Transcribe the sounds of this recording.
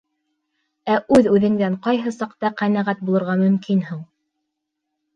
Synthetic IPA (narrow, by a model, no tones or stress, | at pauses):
æʔʉðʉðɘ̆ŋd̪æɴqɑjɦɤsɑqt̪ɑqænæʁæt̪̚bulˠɤ̆ɾʁɑmɵ̆mkinhuɴ